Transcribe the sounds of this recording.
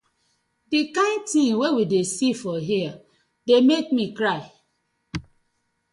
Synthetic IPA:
dikãɪ̃ntĩŋwewidesifɔɦia | demekmikɹaɪ

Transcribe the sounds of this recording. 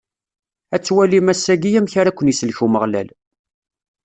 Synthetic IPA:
æt͡sːwælimæsːæɡijæmçaɾakʷːənjisəlçuməʁlæ̰l

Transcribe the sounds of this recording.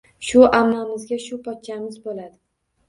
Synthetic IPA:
ʃʊʔamnamɪzɡʲaʃʊpʰɒt̪̚t͡ʃʰamɪzbolad̪ɪ

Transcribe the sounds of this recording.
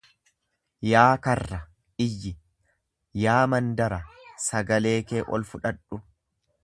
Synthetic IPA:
jaːkɐrːɐ | ʔɪjːɪ | jaːmɐnd̪ɐɾɐsɐɡɐle̞ːke̞ːʔɔ̰lfʊᶑɐᶑʊ

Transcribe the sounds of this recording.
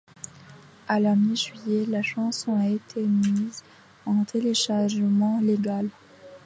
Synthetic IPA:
alamiʒɥijɛlaʃɑ̃sɔ̃aet̪ʰemiz | ɑ̃t̪ʰeleʃaʁʒəmɑ̃leɡal

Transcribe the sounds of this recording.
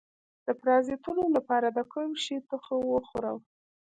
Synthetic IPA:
d̪̥əpɾɑzet̪əlolapɑɾad̪əkʰomʃit̪əxəwəxoɾa̰w

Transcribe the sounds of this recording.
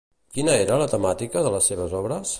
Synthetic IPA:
kinəeɾələt̪əmat̪ikəðələsːeβəzɔβɾəs

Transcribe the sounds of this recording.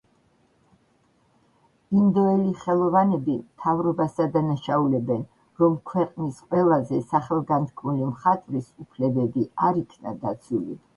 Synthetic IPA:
ind̪ɔɛliχɛlˠɔvanɛbimt̪ʰavɾɔbasad̪anaʃaulɛbɛn | ɾɔmkʰwɛqʼnisqʼwɛlˠazɛsaχɛlˠɡant̪ʰkʰmulimχat̪ʼvɾisupʰlɛbɛbiaɾikʰna̰d̪at̪sʰulḭ

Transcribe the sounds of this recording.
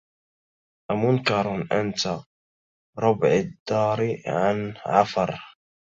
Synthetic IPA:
ʔamʊnkɑɾˤnʔant̪a | ɾˤʊbʕad̪ːɑːɾʕanʕafɑɾˤ

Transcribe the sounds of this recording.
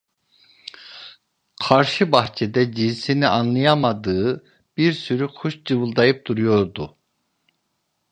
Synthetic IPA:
qʰɑɾʃɯbɑht͡ʃʰɛd̪ɛd͡ʒinsiniʔɑnlˠɯjɑmɑd̪ɯɯ | b̥iɾsyɾyqʰuʃd͡ʒɯvɯlˠd̪ɑjɯp̚d̪uɾujo̞ɾd̪u

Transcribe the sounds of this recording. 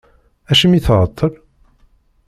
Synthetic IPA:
æʃəmiθʁət̪ˤːəl

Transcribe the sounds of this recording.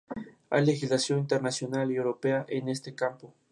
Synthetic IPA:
a̰jle̞xizlasjo̞nint̪eɾnasjo̞naliewɾopeaʔene̞st̪ekampo

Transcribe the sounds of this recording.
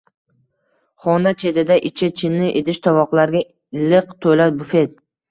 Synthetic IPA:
χɒnat͡ʃʰe̞d̪ɪd̪aʔɪt͡ʃʰɪt͡ʃʰɪnːɪʔed̪ɪʃt̪ʰɒvɒqlˠaɾɡʲa | ɪlːɪqt̪ʰolat̪̚bʊfe̞t̪̚

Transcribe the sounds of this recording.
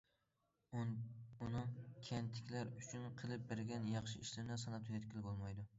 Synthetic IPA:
ʊnɪkʲʰant̪ʰɪ̥kʲlaɾʊt͡ʃʰʊnqʰɨlˠɪp̚beɾɡʲanjɑχʃɪɪʃlɪɾnɪsɑnat̪ʰujɛt̪kʲʰɪlˠɪkʲbolˠmɑjd̪ʊ

